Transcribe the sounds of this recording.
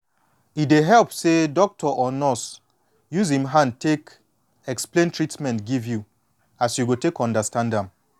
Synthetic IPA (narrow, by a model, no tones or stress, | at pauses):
ideɦɛlpsedɔk̚tʰɔʔɔnɔs | juzĩmɦãnd̚tek | ɛksplẽntɹitmɛ̃ntɡivju | asjuɡotekɔ̃ndəstãndãm